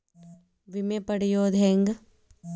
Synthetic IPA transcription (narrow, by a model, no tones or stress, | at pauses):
ʋimẽpɐɽijoːd̪ʱeːŋɡ